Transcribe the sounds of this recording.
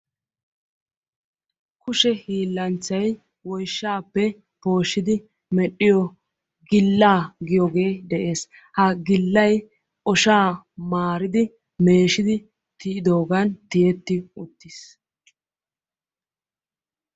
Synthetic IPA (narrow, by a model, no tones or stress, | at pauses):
kʊʃɛhiːlːɐnt͡sːɐj | wɔjʃːaːpːɛ | po̞ːʃːɪd̪ɪ | mɛɗɪjɔ | ɡɪlːaːɡɪjɔɡe̞ːd̪ɛʔe̞ːs | hɐɡɪlːɐj | ʔɔʃaːmaːɾɪd̪ɪ | me̞ːʃɪd̪ɪ | t̪ɪɪd̪o̞ːɡant̪ɪjɛt̪ːɪʊt̪ːɪs